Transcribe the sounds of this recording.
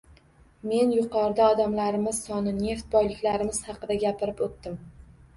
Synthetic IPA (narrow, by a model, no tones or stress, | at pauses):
me̞njʊqɒɾɪd̪aɒd̪amlaɾɪmɪz̥sɒnɪne̞ft̪̚bɒjlɪkʲlaɾɪmɪz̥hɑqɨd̪aɡʲapʰɪɾɪpot̪ːɪm